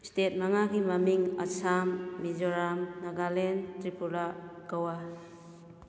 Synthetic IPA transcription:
stet̚maŋaɡimamiŋa̰sʰamːid͡ʒɔɾamnaɡalentɾipulakawa

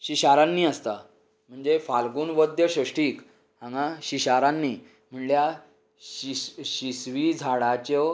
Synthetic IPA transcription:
ɕiɕaɾãnːiːast̪a | m̤əɳd͡zefalɡuːnʋəd̪jəɕəʂʈiːk | hãŋɡaɕiɕaɾanːiː | m̤əɳlja | ɕiɕisʋid͡zʱaɽat͡ɕɔ

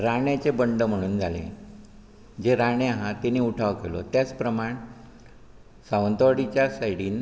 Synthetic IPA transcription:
ɾaɳjat͡sebəɳɖəm̤əɽ̃uːnd͡zʱalḛ | d͡ʑeɾaɳjeɦãt̪eniuʈʰaʋkelo̰t̪jat͡spɾəmaɳ | saʋənt̪əʋaɽit͡ɕjasajiɽiːn

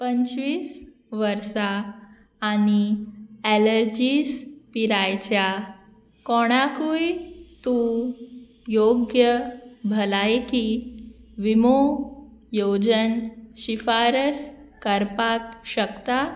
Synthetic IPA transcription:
pəɲt͡ɕʋiːs | ʋəɾsaː | ñieləɾd͡ʑiːspiɾajt͡ɕja | kɔɽ̃akujt̪u | joɡjəbʱəlajki | ʋimo | jod͡ʑənɕifaɾəskəɾpakɕəkt̪a

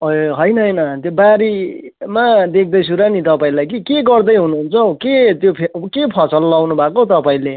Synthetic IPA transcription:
ʌɦʌjnʌɦʌjnʌt̪jobaɾi | mad̪ek̚ʰd̪ʌjt͡sʰuɾanit̪ʌpaĩlajk̬ikeɡʌrd̪ʌjɦunuɦunt͡sʰʌket̪jopʰebkepʰʌsʌlːawnubʱakot̪ʌpaĩle

